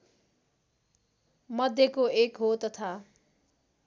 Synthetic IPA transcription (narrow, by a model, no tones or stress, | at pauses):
mʌd̪ʱjekoekɦot̪ʌt̪ʰa